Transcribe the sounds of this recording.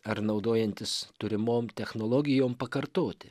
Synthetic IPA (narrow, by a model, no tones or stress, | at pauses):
ɐɾnɐʊd̪oːjɛnʲt̪ʲɪst̪ʊɾʲɪmoːmt̪ʲɛxnoːlˠoːɡʲɪjoːmpɐkɐɾt̪oːt̪ʲɪ̥